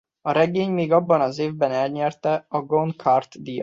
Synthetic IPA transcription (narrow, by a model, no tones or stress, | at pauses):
ɒɾɛɡeːɲmeːɡɒbːɒnɒzeːvbɛnɛlɲɛrt̪ɛɒɡonkʰɒrt̪d̪ijɒ̰